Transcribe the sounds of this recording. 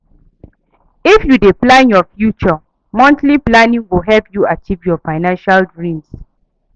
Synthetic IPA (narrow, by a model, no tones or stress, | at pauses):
ifjudeplãnjɔfjut͡ʃɔ | mɔ̃ntliplanĩŋwiɦɛlpjuat͡ʃivjɔfaɪnãnʃaldɹĩms